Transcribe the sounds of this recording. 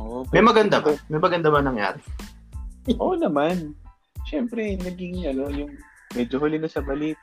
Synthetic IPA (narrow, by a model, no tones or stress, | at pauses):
ʔʔoʔomɐjmɐɡɐnd̪abamɐjmɐɡɐnd̪abanɐŋja̰ːɾɛ | ʔonɐman | ʃɛmpɾɛnɐɡɪŋɐlojʊŋ | mɛd͡ʒoɦolɪnɐsɐbɐlit̪̚